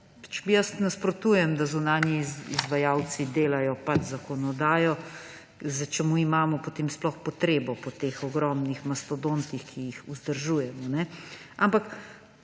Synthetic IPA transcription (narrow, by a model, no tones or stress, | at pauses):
pat͡ʃɛ̥bijəsnaspɾoɔt̪uːjɛmd̪azunaːnjiizʋajaw̪t͡ssid̪eːlajɔpat͡ʃzakɔnɔd̪aːjɔ | zət͡ʃɛmuimaːmɔpot̪eːmsplɔxpɔt̪ɾeːbɔpɔt̪eːxɔɡɾɔmnixmɐst̪ɔd̪ont̪ixkʰijixuzd̪əɾʒuːjɛmɔnɛampak